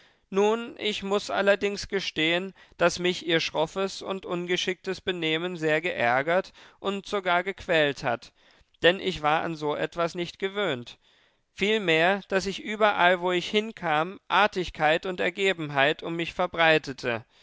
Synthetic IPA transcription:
nuːnʔɪçmʊsʔa̰lɐdɪŋsɡ̥əʃteːənd̥asmɪçiːɐʃʁ̥ɔfəsʊ̰ntʔʊnɡəʃɪk̚təsb̥əneːmənzeːɐɡəʔɛɐɡɐtʔʊntz̥oɡaːɐɡəkʰv̥ɛːltha̰t | d̥ɛnʔɪçv̥aːɐʔa̰nzoːʔɛtv̥asnɪçtɡ̥əvøːnt | fiːlmeːɐd̥asɪçʔyːbɐʔalvoːɪçhɪnkʰaːmʔaɐtɪçkʰaɪtʊntɛɐɡeːbm̩ɦaɪtʊmːɪçfɛɐbʁaɪtətʰə̰

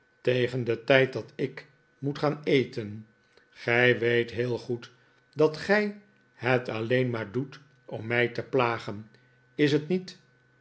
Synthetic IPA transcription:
tejχəndətɛjt̚dɑtɪk | mutχaːnejtən | χɛjʋejtɦɪːlˠχut | dɑtχɛj | hətɑlejnmaːɹdut | ɔmːɛjtəplaːχən | ɪs̬ətnit

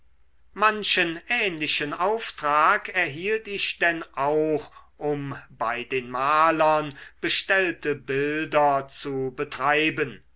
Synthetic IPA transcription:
manʃənʔɛːnlɪʃənaʊftʁ̥aːkɛɐɦiːltɪɕd̥ɛnaʊχʔʊmbaɪdeːnmaːlɐnb̥əʃtɛltəbɪldɐt͡subətʁ̥aɪbən

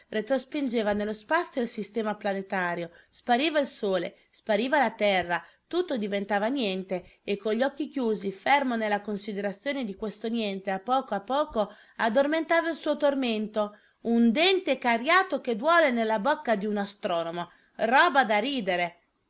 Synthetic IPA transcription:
ret̪ɾospind͡ʒeːvanelːospat̪sːjoilsist̪ɛːmaplanet̪aːɾjospaɾiːvailsoːlḛ | spaɾiːvalat̪ɛrːa | t̪ut̪ːod̪ivent̪aːvanjɛnt̪eekːoʎːɔkːikjuːzifermonelːakonsid̪eɾat̪sːjoːned̪ikwest̪onjɛnt̪eapːɔːkoapːɔːko | ad̪ːorment̪aːvailsuːot̪orment̪o | und̪ɛnt̪ekarjaːt̪oked̪wɔːlenelːabokːad̪iunast̪ɾɔːnomo | rɔːbad̪aɾiːd̪eɾe

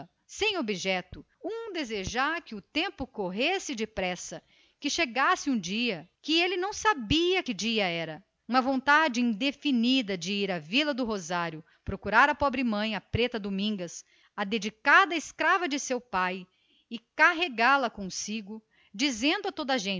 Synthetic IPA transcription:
sẽj̃obiʒɛt̪ʊ | ũd̪ezeʒaɾkɪʊt̪ẽmpʊkoɦesɪd͡ʒɪpɾɛsɐ | kɪʃeɡasɪũd͡ʒiɐkɪelɪnɐ̃w̃sabiɐkɪd͡ʒiɐɛɾɐ | ũmɐvõnt̪ad͡ʒɪĩd̪efinid̪ɐd͡ʒɪiɾɐvilɐd̪ʊɦozaɾjʊ | pɾokuɾaɾɐpɔbɾɪmɐ̃j̃ɐpɾet̪ɐd̪omĩŋɡɐs | ɐd̪ed͡ʒikad̪ɐɪskɾavɐd͡ʒɪsewpaj | ɪkaɦeɡalɐkõsiɡʊ | d͡ʒizẽnd̪ʊɐt̪od̪ɐʒẽ

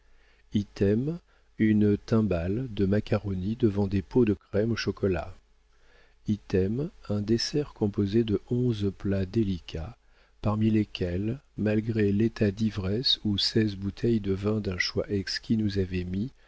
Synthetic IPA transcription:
ilt̪ɛm | ynt̪ɛ̃bald̪əmakaʁɔnid̪əvɑ̃d̪epod̪əkχɛmoʃɔkɔla̰ | ilt̪ɛmɛ̃d̪esɛʁkɔ̃pozed̪əʔɔ̃zplad̪elikʰa | paʁmilekʲɛlmalɡʁelet̪ad̪ivʁɛsusɛzbut̪ʰɛjd̪əvɛ̃d̪ɛ̃ʃwaʔɛkskʲinuzavɛmi

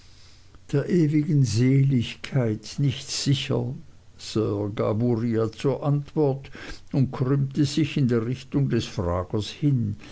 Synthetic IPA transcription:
d̥eːɐʔeːvɪɡənzeːlɪçkʰaɪtnɪçtz̥ɪçə̰ | sœːɡa̰buʁiat͡suːɐʔantv̥ɔɐtʊnt̚kʰʁʏmtəzɪçɪndeːɐʁɪçtʊŋdɛsfʁaːɡ̥əshɪn

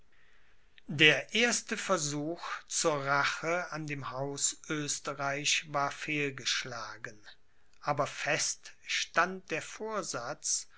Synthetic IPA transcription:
deːɐʔeːɐstəfɛɐzuːxt͡suːɐʁaχəandeːmhaʊsʔøːstəʁaɪçvaːɐfeːlɡəʃlaːɡən | ʔaːbɐfɛstʃtant̚d̥eːɐfoːɐzat͡s

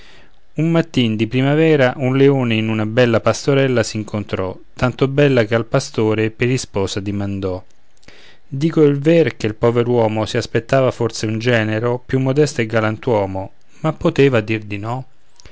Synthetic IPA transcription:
unmat̪ːind̪ipɾimavɛːɾaʔunleoːneinunabɛlːapast̪oɾɛlːasiːŋkʰont̪ɾɔt̪ant̪obɛlːakealpast̪oːɾepeɾispɔːsad̪imand̪ɔ | d̪iːkoilverkelpɔveɾwɔːmosiaspet̪ːaːvafort̪seund͡ʒɛːneɾopjumːod̪ɛst̪oɛɡːalant̪wɔːmo | mapːot̪eːvad̪ird̪inɔ

